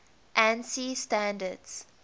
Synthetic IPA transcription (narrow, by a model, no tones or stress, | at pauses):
ʔæ̃nsiːsʈæ̃nɖəɖs